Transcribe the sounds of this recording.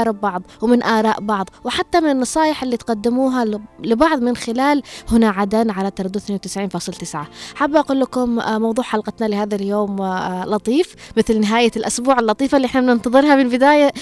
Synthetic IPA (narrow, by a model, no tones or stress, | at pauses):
ɾˤɪbbɑʕðˤwɪmɪnʔaːɾˤɑːʔbɑʕðˤwɪħat̪ːamɪnɪnːɑsˤɑːjɪħɪlːit̪qad̪ːɪmuːɦalɪbɑʕðˤmɪnxɪlaːlhʊnaʕad̪anʕalat̪ɑɾˤɑd̪ːuθanwt̪ɪ̥sʕiːnfɑːsˤɨlt̪ɪsʕaħabːʔaquːlːakʊmmɑwðˤuːʕħalqɑt̪nalɪhaːðaljoːmlɑt̪ˤiːfmɪθlnɪɦaːjalʔʊsbuːʕalːɑt̪ˤiːfalːiʔɪħnamnɪnt̪ɑðˤɨɾˤhɑmɪnbɪd̪aːja